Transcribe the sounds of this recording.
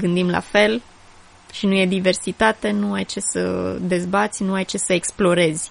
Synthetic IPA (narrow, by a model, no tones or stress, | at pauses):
ɡɨnd̪imla̰fe̞l | ʃinuje̞d̪ive̞rsit̪at̪e̞nuajt͡ʃe̞sə̰d̪e̞zbat̪sʲnuajt͡ʃe̞səeksplo̞ɾe̞zʲ